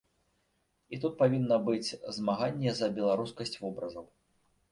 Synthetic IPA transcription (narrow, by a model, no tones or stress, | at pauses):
it̪ut̪̚pavʲinːɐbɨd͡zʲzmaɣanʲːɛzɐbʲɛlˠaɾuskɐsʲt͡sʲvɔbɾɐzɐw